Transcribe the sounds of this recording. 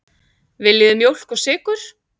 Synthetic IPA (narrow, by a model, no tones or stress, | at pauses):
vɪliːðʏmjowl̥kɔsɪːkʏɾ̥